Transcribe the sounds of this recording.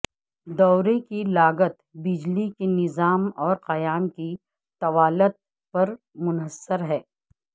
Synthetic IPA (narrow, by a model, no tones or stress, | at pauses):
d̪ɔːɾekilaːɡət̪bɪd͡ʒlikenɪzaːmɔːɾqɐjaːmki | t̪ɐʋaːlət̪̚ | pɐɾ | mʊnəsːəɾɦɛː